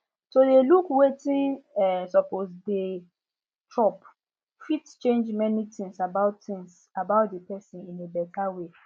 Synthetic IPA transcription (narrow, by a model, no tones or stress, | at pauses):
sodelukwetĩnɛsɔposde | tʰɹɔp | fitt͡ʃẽnd͡ʒmɛnitĩŋsabaʊttĩŋs | abaʊtdepɛsĩnĩnebɛtʰawe